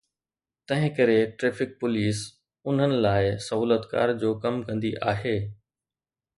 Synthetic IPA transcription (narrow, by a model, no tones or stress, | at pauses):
t̪ɐ̃ɦɪ̃kɐɾeʈɾeːfɪk̚pʊliːs | ʊn̤ənɪ̆laːɪsɐɦuːlət̪ka̰ːɾd͡ʑoːkɐmkɐ̃nd̪iʔaːɦeː